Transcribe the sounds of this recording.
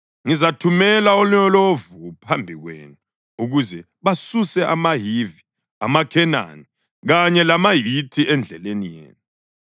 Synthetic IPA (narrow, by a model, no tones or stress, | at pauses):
ŋizatʰumɛlaoliɲɔlovupʰambʱiɣwḛːnu | uɣuzɛ | βasusɛʔamaɦivi | a̰makʰɛna̰ni | ɣaɲɛlamajitʰiʔɛnd͡ɮʱɛlenijḛːnu